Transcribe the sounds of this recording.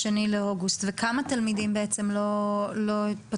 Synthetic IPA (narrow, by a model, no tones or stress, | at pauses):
enileoɡust̪vekamat̪almidimbeet͡se̞mlo̞lo̞itpa